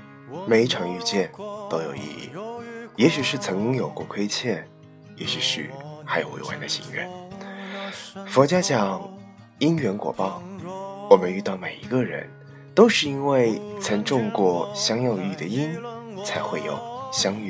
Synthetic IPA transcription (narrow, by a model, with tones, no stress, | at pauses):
me˨˧˩ɪ˥ʈ͡ʂʰɑ˧˥ŋy˥˧t͡ɕjɛ˥˩nt̪o˥ʊjo˨˩ʊḭ˥˧ḭ˥˩jɛ˧˥ɕy˨˩ʂɻ̩˥˩t͡sʰɤ˧˥ŋt͡ɕi˥ŋjo˨˩ʊkwɔ˥˧kʰwe˥ɪt͡ɕʰjɛ˥˩n | jɛ˧˥ɕy˨˩ʂɻ̩˥˩xa˧˥ɪjo˨˩wḛ˧˥ɪwa̰˧˥nd̪ə˧ɕḭ˧˥ŋɥɛ̰˥˩n | fɔ˧˥t͡ɕja˥t͡ɕjɑ˨˩ŋ | i˥nɥɛ˧˥nkwɔ̰˨˩pɑ˥˩ʊwɔ˨˩mə˦ny˥˧t̪ɑ˥˩ʊme˨˩ɪi˧˥ɡə˧ɻə̰˧˥n | t̪o˥ʊʂɻ̩˥˩i˥nwe˥˩ɪt͡sʰə˧˥ŋʈ͡ʂʊ˥˧ŋkwɔ˥˩ɕjɑ˥ŋjɑ˥˧ʊy˥˩d̪ə˩i˥nt͡sʰa˧˥ɪxwe˥˩ɪjo̰˨˩ʊɕjɑ˥ŋy˥